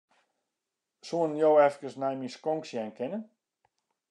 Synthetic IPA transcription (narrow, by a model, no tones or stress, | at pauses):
suənjowɛfkəsnɛjmiskɔŋksjɛnkʰɪnən